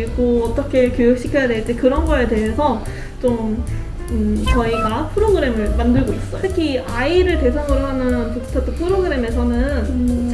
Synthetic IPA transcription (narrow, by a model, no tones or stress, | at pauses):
iɡoʌt͈ʌkʰe̞kjojuk̚ɕ͈ikʰjʌjade̞ɭt͈ekɯɾʌnɡʌede̞ɦe̞sʰʌ | t͡ɕom | ɯt͡ɕʌiɡapʰɯɾoɡɯɾe̞mɯɭmandɯɭɡois͈ʌjtʰɯkʰiaiɾɯɭte̞s̬ʰaŋɯɾɯɭɦanɯnpukstʰat͈ʰɯpʰɯɾoɡɯɾe̞me̞sʰʌnɯn